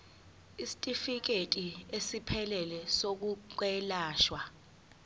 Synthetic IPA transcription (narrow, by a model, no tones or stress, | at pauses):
isi̥tʼifik̬etʼiesipʰɛlɛlɛsok̬uk̬wɛlaːʃwa